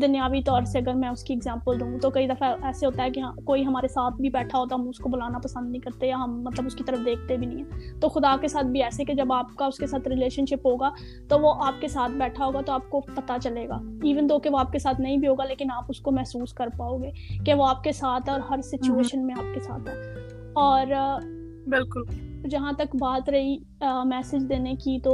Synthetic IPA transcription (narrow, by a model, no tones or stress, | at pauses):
d̪ɐnjaːʋit̪ɔːɾseɐɡəɾmɛ̃ʊskiɪɡzɛ̃ːmpəld̪ũːt̪okɐid̪ɐfaɛːseɦoːt̪aɦɛkiɦkoːiɦɐmaːɾesaːt̪ʰbʱibɛːʈʰaɦoːt̪aɦɐmʊskobʊlaːnapɐsə̃nd̪̚nəɦĩkɐɾt̪ejaɦɐmːɐt̪ləbʊskit̪ɐɾəfd̪eːk̚ʰt̪ebʱinɐɦĩɦɛ̃ːt̪oːxʊd̪aːkesaːt̪̚ʰbʱiɛːseked͡ʒɐbaːpkaʊskesaːt̪ʰɾɪleːʃənʃɪpɦoːɡaː | t̪oʋoʔaːp̚kesaːt̪̚ʰbɛːʈʰaɦoːɡat̪oaːp̚kopɐt̪at͡ʃɐleːɡa̰ːiːʋənd̪oːkeʋoaːp̚kesaːt̪ʰnɐɦĩbʱiɦoːɡaleːkɪnaːpʊskomɛɦsuːskɐɾpaːoːɡeːkeʋoaːp̚kesaːt̪ʰɔːɾɦɐɾsɪt͡ʃueːʃənmẽaːp̚kesa̰ːt̪ʰɦɛː | ɔːɾ | bɪlkʊld͡ʒɐɦãt̪ɐkbaːt̪ɾɐɦi | mɛːsɪd͡ʒd̪eːnekit̪o